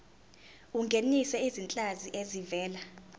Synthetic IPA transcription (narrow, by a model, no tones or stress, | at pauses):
uŋɡʱenisɛizint͡ɬʼaziʔezivɛːla